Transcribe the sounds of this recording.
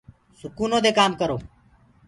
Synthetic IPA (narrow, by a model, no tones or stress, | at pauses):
sʊkuːnõːd̪eːkaːmkəɾoː